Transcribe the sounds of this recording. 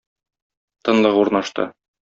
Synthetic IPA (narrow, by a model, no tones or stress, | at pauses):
t̪ɤ̆nlˠɤʁuɾnɑʃt̪ɤ̰